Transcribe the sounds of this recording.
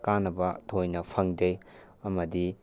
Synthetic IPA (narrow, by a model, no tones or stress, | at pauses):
kanːɐbɐtʰojnɐpʰɐŋdej | ɐmɐdi